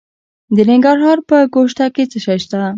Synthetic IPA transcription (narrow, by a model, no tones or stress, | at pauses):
d̪ənɪŋɡaɾɦɑɾpəɡoʃʈ̪aket͡səʃajʃt̪a